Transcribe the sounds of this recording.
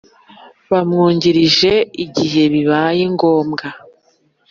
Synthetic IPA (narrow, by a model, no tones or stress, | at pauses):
βamŋuːɲɟiɾiʒe̞iɟiɦe̞βiβaːjiŋɡo̞ːmɡa